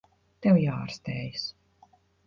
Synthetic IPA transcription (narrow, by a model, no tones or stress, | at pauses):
t̪ɛwjaːa̰ɾst̪eːjɨs